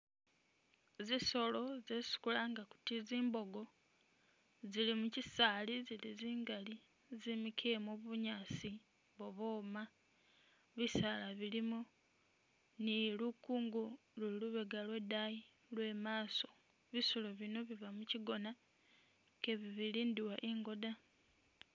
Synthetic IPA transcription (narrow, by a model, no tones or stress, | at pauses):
ziso̞lo̞zesi̥kulaŋɡaku̥tiziːmbo̞ɡo̞ | zilimucisaːliziliziːŋɡali | zimikʰemoβuɲaːsi | βoβoːma | βisalaβilimo | nilukuːŋɡu | luiluβeɡalwe̞daji | lwe̞maːso̞ | βisuloβino̞βiβamuciɡo̞na | keβiβiliːndiwaʔeŋɡo̞da